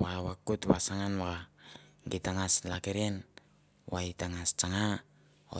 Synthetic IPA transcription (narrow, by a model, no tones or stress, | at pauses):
wawakutwasaŋanwaaɡitaŋaslakeɾen | waitaŋast͡ʃaŋa | o̰